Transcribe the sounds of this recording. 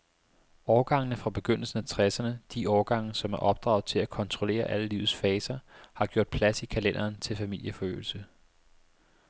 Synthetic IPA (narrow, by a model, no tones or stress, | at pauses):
ɒːɡ̥ɑ̈ŋ̰nəfʁɑ̈b̥e̝ɡ̥øn̰l̩sn̩æt͡sʰʁɛsɐnəd̥iʔɒːɡ̥ɑ̈ŋ̰n̩sɒ̽mæɐʔɒ̽b̥d̥ʁɑ̰̈ʊðˠt͡sʰe̝lækʰɒ̽nt͡sʰʁo̝le̝̰ːɐʔæləlḭːʊð̩ˠsfɛːsɐhɑ̈ɡ̥jo̝ɐ̰d̥̚pʰlæsikʰælen̰ɐːnt͡sʰe̝lfæmil̰jəfɒ̽ø̰ːl̩sə